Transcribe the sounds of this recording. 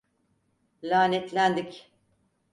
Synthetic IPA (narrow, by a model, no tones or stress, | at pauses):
lʲaːnɛt̪lʲænd̪ic